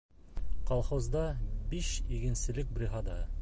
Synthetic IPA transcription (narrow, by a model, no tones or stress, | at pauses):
qɑlˠχozd̪ɑbiʃiɡɘ̆nsɘ̆lɘk̚brʲiɦɑd̪ɑ